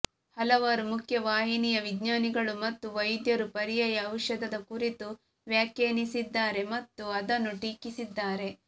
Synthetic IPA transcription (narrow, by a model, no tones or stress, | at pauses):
hɐlɐʋɐɾumukʰjɐʋaːɦinijɐʋiɡɲaːniɡɐɭumɐt̪ːuʋɐjd̪jɐɾupɐɾijɐjɐːwʃɐd̪ɐd̪ɐkuɾit̪u | ʋjaːkjeːnisid̪ːaːɾe̞mɐt̪ːuɐd̪ɐnːuʈiːkisid̪ːaːɾe̞